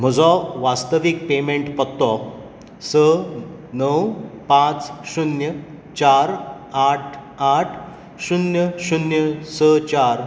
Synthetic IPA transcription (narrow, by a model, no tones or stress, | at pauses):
m̤əd͡zɔʋast̪əʋik̚pemeɳʈpət̪ːɔ | sə | nəwpãt͡sɕunjə | t͡ɕaɾ | aʈʰ | aʈʰ | ɕunjəɕunjəsət͡ɕaɾ